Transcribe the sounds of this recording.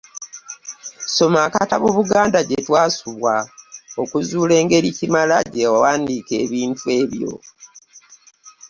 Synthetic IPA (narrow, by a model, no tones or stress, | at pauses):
so̞maːkata̰βuβuɡaːndaɟetwaːsuβwao̞kuzuːle̞ːŋɡe̞ɾicimalaɟewawaːndiːke̞ːβiːntue̞ːβjo̞̰